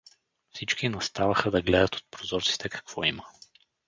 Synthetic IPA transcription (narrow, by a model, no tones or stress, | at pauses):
fsit͡ʃkinɐst̪avəxəd̪ɐɡlɛd̪ɐt̪o̥t̪̚pɾozɔɾt̪si̥t̪ɛkɐ̥kv̥ɔimə